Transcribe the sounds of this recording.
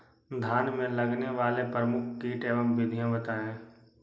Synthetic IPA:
d̪ʱaːnmẽləɡneʋaːlepɾəmʊkʰkiːʈeːʋəmʋɪd̪ʱijãbət̪aːẽː

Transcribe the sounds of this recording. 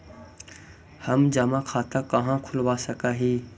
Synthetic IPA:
həmd͡ʒaːmãːkʰaːt̪aːkəɦãːkʰʊlʋaːsəkaːɦiː

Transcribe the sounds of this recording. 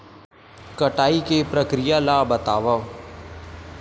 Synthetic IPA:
kəʈaːikeːpɾəkɾɪjaːlaːbət̪aːʋə

